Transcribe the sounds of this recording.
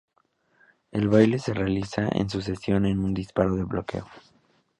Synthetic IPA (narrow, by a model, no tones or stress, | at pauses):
e̞lβajle̞se̞realisaʔḛns̬us̬e̞sjo̞ne̞nund̪ispaɾo̞ðe̞βlo̞ke̞̰o